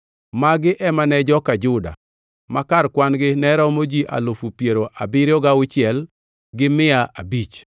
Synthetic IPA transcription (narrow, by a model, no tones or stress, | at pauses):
maɡɪʔɛmanɛd͡ʒɔkad͡ʒʊda̰ | makarkwanɡɪnɛɾɔmod͡ʒiʔa̰lofupjeɾoʔabɪɾjɔɡaʊt͡ʃɪɛl | ɡɪmɪaʔabit͡ʃ